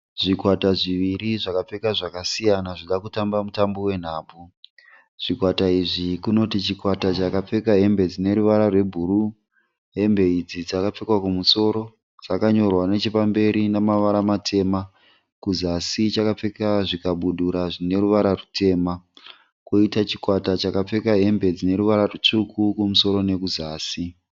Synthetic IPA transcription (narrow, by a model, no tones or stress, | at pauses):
ʐikwataʐiʋiɾiʐakap͡fe̞kaʐakasijanaʐiɗakutambamutambowe̞n̤aːb͡vu | ʐ̥ikwataiʐikuno̞tit͡ʃikwatat͡ʃakap͡fe̞kaɦe̞mbe̞d͡zine̞ɾuʋaɾarwe̞bʱuɾu | ɦe̞mbe̞id͡zid͡zakap͡fekwakumuso̞ɾo̞ | d͡zakaɲo̞rwane̞t͡ʃepambe̞ɾinamaʋaɾamatʰe̞ːma | kuzasit͡ʃakap͡fekaʐikaɓuɗuɾaʐine̞ɾuʋaɾarutʰe̞ːma | koitat͡ʃi̥kwatat͡ʃakap͡fe̞kaɦe̞mbe̞d͡zine̞ɾuʋaɾarut͡ʂukʰukumuso̞ɾo̞ne̞kuzaːsi